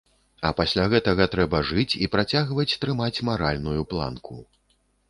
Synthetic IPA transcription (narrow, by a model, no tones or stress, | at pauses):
ɐ̰pasʲlʲaɣɛt̪ɐɣɐt̪ɾɛbɐʐɨt͡sʲipɾat͡sʲaɣvɐt͡sʲt̪ɾɨmat͡sʲmaɾalʲnujuplˠa̰nku